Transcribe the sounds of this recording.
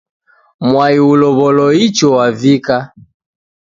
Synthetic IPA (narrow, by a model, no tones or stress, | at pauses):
mwaiulɔβɔlɔit͡ʃɔwavika